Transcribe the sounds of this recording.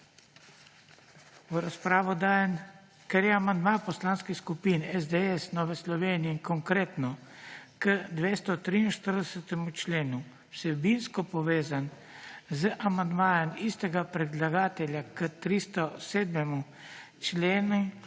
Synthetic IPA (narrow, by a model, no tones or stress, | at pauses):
uɾaspɾaːʋɔd̪aːjɛn | kɛɾjɛamand̪mapɔslaːnskixskupinɛzd̪ɛɛsnɔːʋɛslɔʋeːniɛiŋkɔŋkɾeːt̪nɔkəd̪ʋest̪ɔt̪ɾiinʃt̪əɾd̪ɛsɛt̪ɛmut͡ʃleːnu | sɛbinskɔpɔʋeːzan | zəʔamand̪maːjɛmist̪ɛɡapɾɛd̪laɡaːt̪ɛlʲjakət̪ɾist̪ɔseːd̪mɛmu | t͡ʃleːnu